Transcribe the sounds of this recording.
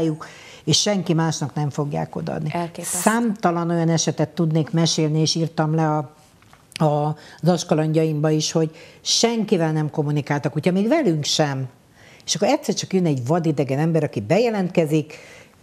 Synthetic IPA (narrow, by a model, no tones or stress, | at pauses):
juk | eːʃʃɛŋkimaːʃnɒknɛɱfo̞ɡja̰ːko̞̰d̪ɒ̰d̪nisaːmt̪ɒlɒno̞jɒnɛʃɛt̪ɛt̪ːud̪neːkmɛʃeːlnieːʃiːrt̪ɒmlɛɒ | ɒzɒʃkɒlɒɲɟɒjimbɒiʃho̞ɟʃɛŋkivɛlnɛmko̞mːunikaːlt̪ɒkhucʰhɒmeːɡvɛlyŋkʃɛm | eʃɒkːoɾɛt̪ʲsɛrt͡ʃɒkjønɛɟvɒd̪id̪ɛɡɛnɛmbɛɾɒkibɛjɛlɛnt̪̚kɛzik